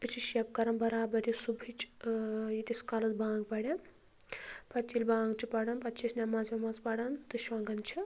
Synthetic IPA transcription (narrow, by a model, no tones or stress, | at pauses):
ɨt͡ʃʰiʃɐpkɐɾɐnbɐɾaːbɐɾjisubʱit͡ʃ | jit̪iskalɐt̪bãːŋɡpɐɽʲɐn | pɐt͡ʃʰilbãːŋɡt͡ʃʰipɐɽɐnpɐt̪t͡ʃʰisnʲamɐzmʲamɐzpɐɽɐnt̪ɨʃwaːɡɐnt͡ʃʰi